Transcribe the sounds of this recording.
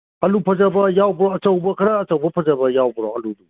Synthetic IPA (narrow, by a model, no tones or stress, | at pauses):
ɐlupʰɐzabɐjawbəɾɔɐt͡ʃəwbɐkʰɐɾaːt͡ʃəwbɐpʰɐzɐbɐjawbɾɔ̰ɐludu